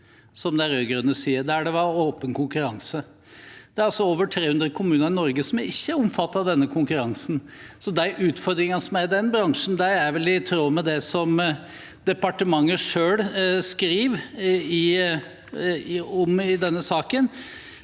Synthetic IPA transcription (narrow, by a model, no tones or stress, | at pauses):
sɔmd̪ɛæɾøːɡɾʉnːəsiːəɾd̪ɛæɖɛʋɑɾoːpənkʰʊŋkʉɾɑŋsə | d̪̥ɛæɾɑlsɔoːʋəʈʰɾeːhʉnd̪ɾəkʰʊmʉːnəɾɪnɔɾɡəsɔmæɾɪçːəæɾɔmfɑt̪ːɑd̪ɛnːəkʰʊŋkʉɾɑŋsn̩ | sɔd̪æɪʔʉːt̪fɔɾd̪ɾɪŋɑsɔmæɾɪd̪ɛnbɾɑŋʂn̩d̪æɪæɾʋɛlɪt̪ʰɾoːmɛd̪ɛsɔm | d̪̥ɛpɑʈəmɑŋːəʂøːlskɾiːʋɪ | ɔmɪd̪ɛnːəsɑːkən